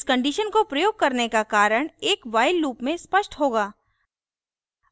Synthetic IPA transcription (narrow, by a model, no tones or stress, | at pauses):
skə̃ɳɖiːʃənkopɾɐjoːɡ̚kɐɾnekakaːɾəɽ̃eːkʋaːɪlːuːpmẽspəʃʈɦoːɡaː